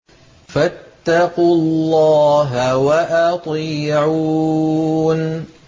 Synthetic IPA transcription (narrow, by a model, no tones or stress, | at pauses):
fat̪ːɑqullːɑːɦawaʔɑt̪ˤiːʕu | n